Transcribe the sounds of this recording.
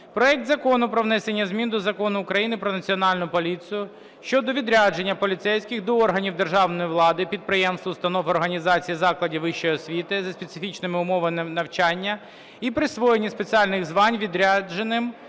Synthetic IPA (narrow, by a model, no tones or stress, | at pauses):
pɾɔɛk̚t̪zɐkɔnʊpɾɔʋnɛsenʲːɐzʲmʲind̪ɔzɐkɔnʊːkɾɐjinɪpɾɔnɐt͡sʲiɔnɑlʲnʊpɔlʲit͡sʲijʊ | ʃt͡ʃɔd̪ɔʋʲid̪ɾʲad͡ʒe̞nʲːɐpɔlʲit̪sɛjsʲkʲɪxd̪ɔɔrɦɐnʲiwd̪e̞rʒɑwnɔjiʋlˠɑd̪ɪpʲid̪̚pɾɪjɛmst̪ʊst̪ɐnɔfɔrɦɐnʲizɑt͡sʲijizɑklˠɐdʲiʋɪʃt͡ʃːɔjɔsʲʋʲit̪ɪzɐspet̪sɪfʲit͡ʃnɪmɪʊmɔʋɐnɐwt͡ʃɑnʲːɐ | ipɾɪsʋɔjenʲispet͡sʲiɑlʲnɪɣzʋɑnʲʋʲid̪ɾʲad͡ʒenɪm